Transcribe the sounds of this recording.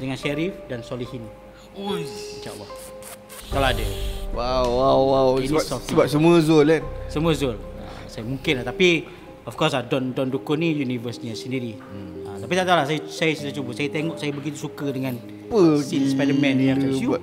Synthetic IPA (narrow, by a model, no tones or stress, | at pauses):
dəŋanʃeɾifdansolihin | inʃaʔə̰lːah | kalawadawawawwawisɔft̪əbap̚səmũəzolansəmũəzolə̰ | sajəmuŋkɪnlaht̪api | ɔfkɔsadɔndɔndukʊnijunivəsɲasəndiɾi | ət̪apit̪aʔt̪awlahsajasajasisat͡ʃubəsajat̪eŋɔʔsajabəɡit̪usukədəŋan | pəsinspɛdəmɛ̃niaɛju